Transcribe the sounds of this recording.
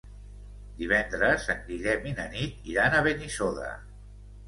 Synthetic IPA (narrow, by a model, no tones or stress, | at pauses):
d̪iβɛnd̪ɾəzəŋɡɾiʎɛminənit̪̚iɾanəβenisoðə̰